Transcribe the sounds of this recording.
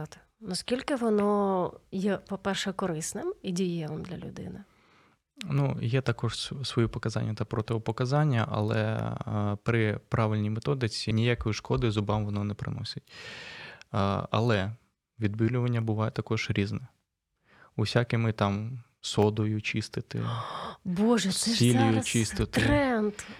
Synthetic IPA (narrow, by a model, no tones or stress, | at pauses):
t̪ | nɔskʲilʲkɪʋɔnɔjɛpɔpɛrʃɛkɔɾɪsnɪmidʲijɛlˠɪmd̪lʲɐlʲʊ̰d̪ɪ̰nɪ | nujɛt̪ɐkɔʒssʋɔjupɔkɐzɑ̰nʲːɐt̪ɐpɾɔt̪ɪʋɔpɔkɐzɑnʲːɐ̰ʔɐ̰lˠɛ̰ | pɾɪpɾʔɑʋɪlʲnʲijmet̪ɔd̪ɪt͡sʲinʲijakɔjʊʃkɔd̪ɪzʊbɑmʋɔnɔnɛpɾɪ̰nɔsʲɪtʲ | ɐ̰lˠɛ | ʋʲid̪bɪlʲʊʋɐnʲːɐbʊʋɑjɛt̪ɐkɔʒ̥ɾʲiznɛ | usʲakɪmɪt̪ɑm | sɔd̪ɔjʊt͡ʃist̪ɪt̪ɪ̰boʒɛsʲilʲijʊt͡ʃist̪ɪt̪ɛnt̪